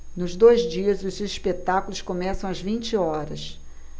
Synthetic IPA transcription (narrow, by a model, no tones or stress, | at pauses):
nʊzd̪ojzd͡ʒiɐzʊziʃpet̪akulʊskomɛsɐ̃w̃ɐzvĩnt͡ʃɪɔɾɐs